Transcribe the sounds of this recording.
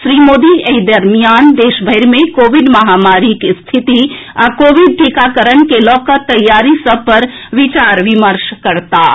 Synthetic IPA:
sɾimod̪iəid̪əɾmijand̪eʃbʱəɪɾmekoʋiɖməɦamaɾikst̪ʰit̪i | akoʋiɖ̚ʈikakəɾənkelɔkət̪ːəjːaɾisəb̚pəɾʋit͡ʃaɾʋiməɾʃkəɾt̪a̰

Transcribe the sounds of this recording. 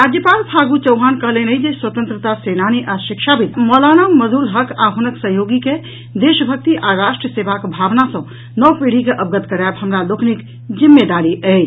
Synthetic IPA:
ɾad̪jəpalpʰaːɡut͡ʃəwɦankəɦleneid͡ʒeswət̪ə̃nt̪ɾət̪asenaniʔaʃikʃʰabit̪mɔlanaməzulɦəkaɦunəksəɦjoːɡike | d̪eʃəbʱək̚t̪iʔaɾaʃʈɾəsebakbʱaːʋnasɔ̃ | nɔpeɽ̤ikeʔəb̚ɡət̪kəɾabɦəmɾalokʰnik | d͡ʒimːed̪aɾiʔɛt͡ʃ

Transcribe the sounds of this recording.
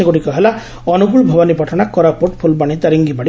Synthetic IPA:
eɡɔɽikɔɦela | ɔnuɡuɭbʱɔbanipɔʈʰɔnakɔɾapoʈpʰulbaɽ̃it̪aɾiŋɡibaɽi

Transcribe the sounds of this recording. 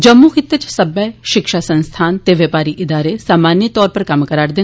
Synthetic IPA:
d͡ʒəmːuxɪt̪ːət͡ʃsɐbɛʃɪkʃaːsə̃nst̪ʰaːnt̪eʋjeːpaːɾiʔɪd̪aːɾesaːmaːnjət̪ɔːɾpɐɾkɐmkəɾaːɽd̪ɪ

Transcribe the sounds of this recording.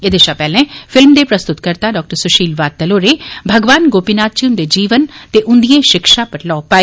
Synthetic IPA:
ed̪eʃapɛːlẽfɪlmd̪epɾɐst̪ʊt̪kəɾt̪aɖɔːk̚ʈəɾsʊʃiːlʋaːd̪̚t̪ːəloːɾebʱəɡʋaːnɡoːpinaːt̪t͡ʃiʊnd̪ed͡ʒiːʋəntt̪eʔʊ̃nd̪ijẽʃɪkʃapəʈlaːpaːi

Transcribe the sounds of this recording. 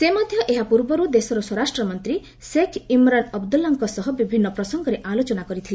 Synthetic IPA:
semɔd̪ʱjɔʔeɦapuɾbɔɾud̪esɔɾɔswɔɾasʈɾɔmɔnt̪ɾi | sekʰimɾanɔbd̪ulːɔŋkɔsɔɦɔbibʱinːɔpɾɔsɔŋɡɔɾeʔalot͡ʃɔnakɔɾit̪ʰile

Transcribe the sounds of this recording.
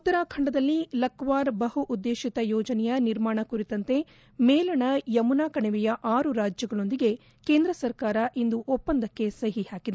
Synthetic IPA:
ut̪ːɐɾaːkʰɐɳɖɐd̪ɐlːilɐkʋaːɾbɐɦuʔːd̪ːeːʃit̪ɐjɔːd͡ʒɐnɛjɐniɾmaːɳɐkuɾit̪ɐnt̪e̞ | meːlɐɳɐjɐmunaːkɐɳɛʋɛjɐʔaːɾuɾaːd͡ʒjɐɡɐɭo̞nd̪iɡe̞ | keːnd̪ɾɐsɐɾkaːɾɐʔind̪uʔopːɐnd̪ɐkːe̞sɐɦihaːkid̪e

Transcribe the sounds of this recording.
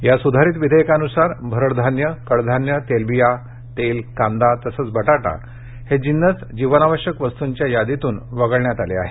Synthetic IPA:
jasud̪ʱaɾiːt̪ʋid̪ʱəjkanusaɾbʱəɾəɽd̪ʱanjəkəɽd̪ʱanjət̪elbija | t̪elkãnd̪at̪əsəːt͡sbʱəʈaʈa̰ | hed͡ʑinːət͡sd͡ʑiʋənaʋəɕjəkʋəst̪uɲt͡ɕjajad̪it̪uːnʋəɡəɭɳjat̪alea̰ɦe

